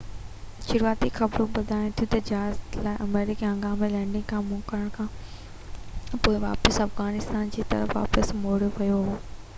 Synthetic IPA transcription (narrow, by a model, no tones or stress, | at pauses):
ʃʊɾuaːt̪ixɐbɾũbɐd̪ʱaːɪ̃t̪ʰijũt̪ɐd͡ʑaːzt̪laːɪʔɐmeːɾɪkiɐ̃ŋɡaːmelɛ̃ːɳɖɪ̃ŋɡkʰãːmʊ̃kəɾəɽ̃kʰãː | poːɪʋa̰ːpəsɐfɣaːnɪst̪aːnd͡ʑiːt̪ɐ̰ɾəfʋa̰ːpəsmoːɽjoʋɐjoɦoː